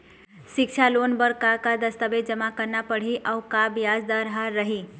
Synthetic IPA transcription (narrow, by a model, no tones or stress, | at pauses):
ʃikt͡ʃʰalonbəɾkakad̪əst̪əbed͡ʒəmakəɾnapəɽ̤iʔaukabjad͡ʒd̪aɾɦaɾːəɦi